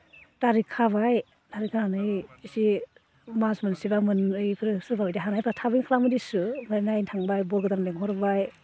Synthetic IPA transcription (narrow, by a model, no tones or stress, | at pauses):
taɾikʰaβaj | taɾikʰahanɯjsi | masmɯnsibamɯnɯjpʰɯɾɯsɯɾbabɯjdiɦanajpʰɾatʰabɯŋkʰalamɯdisɯmanajntʰaŋbajbɔɾɡɯdaŋleŋɦɔɾbaj